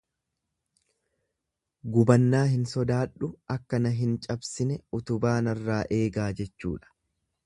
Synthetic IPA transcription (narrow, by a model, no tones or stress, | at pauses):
ɡʊbɐnːaːɦɪnsɔd̪aːᶑːʊʔɐkːɐnɐɦɪnt͡ʃʼɐbsɪnɛʊt̪ʊbaːnɐrːaːʔe̞ːɡaːd͡ʒɛt͡ʃːṵːᶑɐ̥